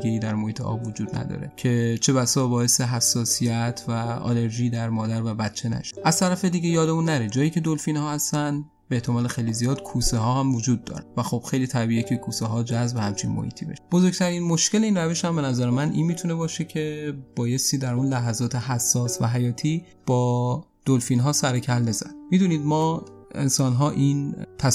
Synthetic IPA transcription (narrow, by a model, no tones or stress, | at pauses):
ɡeiːd̪æɾmohiːt̪ʰeʔɒ̰ːbvod͡ʒuːd̪næ̰d̪ɒ̰ːɾe̞̰cʰe̞t͡ʃʰe̞βæsɒːbɒːe̞seɦæsːɒːsijæt̪ʰvæɒ̰le̞ɾʒiːd̪æɾmɒːd̪æɾvæbæt̪t͡ʃʰːe̞næ̰ʃe̥ʔæz̥t̪ʰæɾæfe̞d̪iɟe̞jɒːd̪e̞munːæɾed͡ʒɒːjiːcʰe̞d̪olfinhɒːhæst̪æn | beːht̪ʰe̞mɒːlexejlizijɒːd̪̥kʰuːseɦɒːhæmvod͡ʒuːd̪ːɒ̰ːɾevæxob̥xe̞jliːt̪ʰæbiːʔecʰekʰuːseɦɒːd͡ʒæzbehæmt͡ʃʰḭnmo̰hḭːt̪ʰiːbeʃe̥b̥o̞zo̞ɾɡ̚t̪ʰæɾinmo̞ʃcʰe̞leiːnræve̞ʃhæmbenæzæɾemænʔḭːnmiːt̪ʰune̞bɒːʃe̞cʰe̞b̥ɒːje̞st̪iːd̪æɾunlæɦæzɒːt̪ʰe̞ɦæsːɒːsvæ̰ɦæjɒːt̪ʰiː | b̥ɒː | d̪̥olfiːnɦɒːsæɾecʰældezæd̪̥miːd̪uːniːd̪mɒːḛnsɒːnɦɒːʔint̪ʰæ